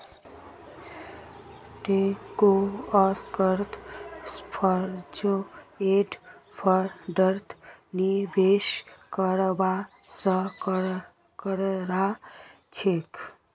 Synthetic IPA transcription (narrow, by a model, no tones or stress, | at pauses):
ʈekoʌskəɾt̪ʰspʰʌɾd͡ʒoeɖpʰʌɾɖəɾt̪ʰnibeskəɾba | sʌk | kəɾɾa | t͡ʃʰek